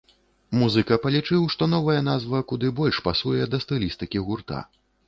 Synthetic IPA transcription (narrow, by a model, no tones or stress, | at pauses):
muzɨkɐpɐlʲit͡ʂɨwʂt̪ɔn̪ɔvɐjɛnazvɐkud̪ɨbɔlʲʂpasujɛd̪ɐst̪ɨlʲist̪ɨkʲiɣurt̪a̰